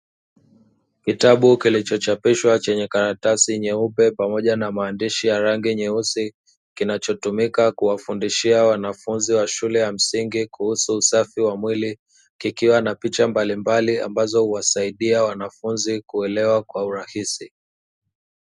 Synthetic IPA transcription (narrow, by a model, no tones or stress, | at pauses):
kitaɓukilit͡ʃɔt͡ʃapiʃwat͡ʃɛɲɛkaɾatasiɲɛupɛpamɔʄanamaːndiʃijaɾaŋɡiɲɛusi | kinat͡ʃɔtumikakuwafundiʃiawanafunziwaʃulɛjam̩siŋɡikuhusuusafiwamwili | kikiwanapit͡ʃambalimbalia̰mbazɔhuwasaiɗiawanafunzikuɛlɛwakwauɾahisi